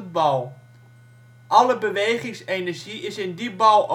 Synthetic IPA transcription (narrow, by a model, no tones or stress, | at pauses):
bɔlˠ | ʔɑləbəʋejχɪŋsenəɹʒiʔɪsɪndibɑlˠo